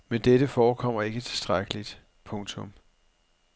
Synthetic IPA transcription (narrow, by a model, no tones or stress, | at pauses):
mend̥eɾəfɒːkʰɒ̽m̰ɐe̝ɡ̥ət͡sʰe̝̥sd̥ʁaɡ̥əlid̥ | pʰɔ̽ŋt͡sʰɔ̽m